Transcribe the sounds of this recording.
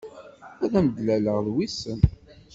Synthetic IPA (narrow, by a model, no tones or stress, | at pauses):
ʊðæməd̪læləʁðwisən